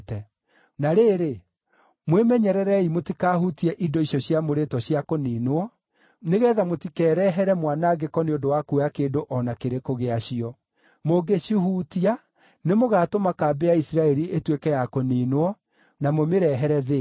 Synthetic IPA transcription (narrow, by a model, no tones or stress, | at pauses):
tɛ | naɾeːɾe | mwemɛɲɛɾɛɾɛimotikaːhutiɛʔidɔiɕɔɕjamoɾetɔɕjakoniːnoɔ | neɣɛːðamotikɛːɾɛɦɛɾɛmwanaɡekɔneodowakuakeːndoʔɔnakeɾekoɣeaɕiɔ | moɡeɕuhutia | nemoɣaːtomakaːbɛaisiɾaɛɾiʔetwekɛjakoninwɔ | namomeɾɛɦɛɾɛðe